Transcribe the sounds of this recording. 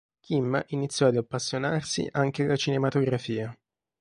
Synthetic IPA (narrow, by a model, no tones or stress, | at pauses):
k̟ʰimːʔinit̪sːjɔad̪apːasːjonarsḭʔaŋk̟ealːat͡ʃinemat̪oɡɾafiːa